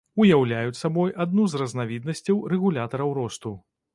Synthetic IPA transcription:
ujawlʲajut͡sʲsabɔjʔad̪̚nuzrɐznavʲid̪nɐsʲt͡sʲɐwrɛɣulʲat̪ɐɾɐwɾɔst̪u

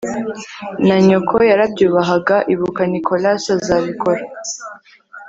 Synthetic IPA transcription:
naɲokʰojaɾabjuːβaɦaɡaʔiβukanikʰo̞lasazaβikʰoɾa

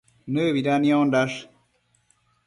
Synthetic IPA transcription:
nəːwiɾaːnijõːnɖaʂ

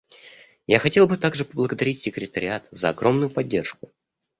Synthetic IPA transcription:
jaxɐtʲe̞lˠbɨt̪aɡʐɨpəblˠəɡəd̪ɐɾʲitʲsʲɪkɾʲɪt̪əɾʲɪat̪zəɐɡɾo̞mnʊjʊpɐdʲːe̞rʂkʊ

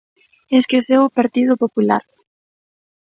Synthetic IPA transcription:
eskesewʊpaɾt̪iðʊpopula̰ɾ

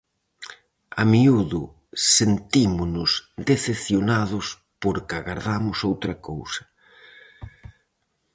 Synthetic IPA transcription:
amiuðʊ | sent̪imʊnʊsd̪eθepθjonaðʊs | poɾkaɣaɾðamʊsowt̪ɾɐkowsɐ̥

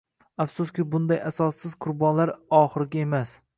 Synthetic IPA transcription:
afsʊskʲɪbʊnd̪ajasɒsːɪz̥qʰʊɾbɒnlaɾɒχɨɾɪɡʲae̞mas

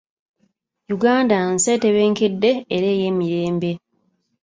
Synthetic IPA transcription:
juɡaːndanse̞teβe̞ːŋke̞dːe̞ːɾe̞ːje̞ːmiɾe̞ːmbe̞

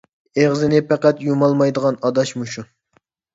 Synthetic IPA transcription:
eʁzɪnɪpʰɛqæt̪jumɑlˠmɑjd̪əʁɑnɑd̪ɑʃmuʃun

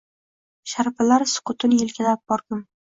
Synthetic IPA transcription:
ʃaɾpalaɾsʊ̥qʊt̪ʰʊnjɪlkʲʰalap̚b̥ɒɾd̪ɪm

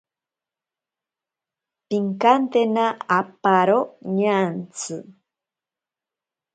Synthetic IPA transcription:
piŋkant̪enaapaɾoɲant͡sʰɨ

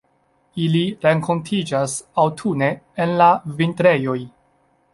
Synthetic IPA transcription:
iliɾe̞ŋko̞ntʰid͡ʒasawtʰune̞ːnlavintɾe̞jo̞j

